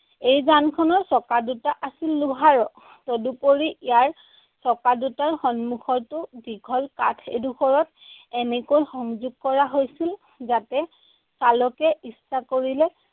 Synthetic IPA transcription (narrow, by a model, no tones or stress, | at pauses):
ejzankʰɔnɔɹsɔkadutaʔasilːuɦaɹɔ | tɔdupoɹiijaɹ | sɔkadutaɹxɔnmuxʰɔɹtʊdiɡʰʱɔlka̰tʰḛduxʰɔɹɔt | ɛnɛkojxɔŋzuɡ̚kɔɹaɦojsil | zatɛ | salɔkɛisːakoɹilɛ